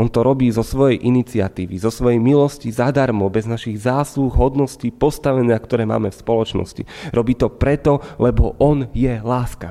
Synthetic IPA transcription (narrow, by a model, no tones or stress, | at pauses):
ɔnt̪ɔɾɔbiːzɔsʋɔjɛjʔinit͡sɪa̰t̪iːʋizɔsʋɔjɛjmilɔscizad̪aɾmɔbɛznaʃiɣzaːsluɣɦɔd̪nɔsciːpɔst̪aʋɛnakt̪ɔɾɛːma̰ːmɛfspɔlɔt͡ʃnɔ̰scḭɾɔbiːt̪ɔpɾɛt̪ɔlɛbɔʔɔnjɛlaːska